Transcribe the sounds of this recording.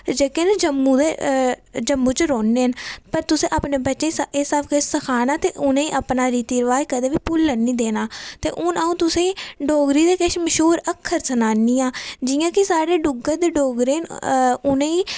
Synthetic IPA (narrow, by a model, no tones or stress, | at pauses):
d͡ʒeːkeːnẽːd͡ʒəmːuːd̪eː | d͡ʒəmːũːt͡ʃəɾoːnːeːənpəɾt̪ʊsẽːʔaːpneːbətːʃeːiːsesaːbkəsəkʰaːnaːt̪eːʔʊnẽːiːʔaːpnaːɾiːt̪iːɾʋaːjkəd̪eːʋiːpʊlːənːĩːd̪eːnaːt̪ḛːʔʊnəũːt̪ʊsẽːiːɖoːɡɾiːd̪eːkeʃməʃuːɾəkʰːəɾsənaːniːãːd͡ʒiːjãːkɪsaːɽeːɖʊɡəɾd̪eːɖoːɡɾeːnʊnẽːiː